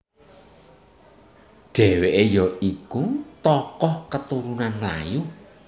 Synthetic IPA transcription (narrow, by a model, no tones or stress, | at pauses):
ɖ̥ɛweʔejɔikut̪ɔkɔhkət̪uɾunanmla̰ju